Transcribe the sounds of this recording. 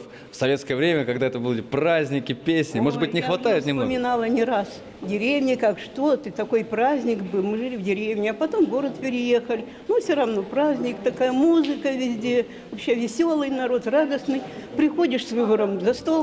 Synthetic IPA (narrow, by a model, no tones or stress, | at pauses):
fsɐvʲet̪skəjəvɾʲemʲəkɐɡd̪aɛt̪əbulʲɪprazʲnʲɪkʲɪpʲesʲnʲɪmo̞ʐɨd̪̚bɨtʲnʲɪxvɐt̪ajɪt̪nʲɪmnomʲɪnalˠənʲɪɾas | dʲɪɾʲevnʲɪkakʂt̪o̞t̪ɨt̪ɐko̞jpɾazʲnʲɪkbɨlˠmɨʐɨlʲɪvdʲɪɾʲevnʲɪɐpɐt̪o̞mɡo̞ɾət̪pʲɪɾʲɪje̞xəlʲɪ | nufsʲoɾɐvno̞pɾazʲnʲɪkt̪ɐkajəmuzɨkəvʲɪzʲdʲe | vɐpɕːevʲɪsʲo̞lˠɨjnɐɾo̞t̪rad̪əsnɨjpɾʲɪxo̞dʲɪʂsʲvɨbəɾəmzɐst̪o̞lˠ